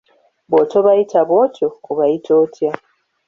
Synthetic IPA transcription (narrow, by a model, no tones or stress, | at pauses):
boːtoβajitaβoto̞ːβajitʰoːtʰja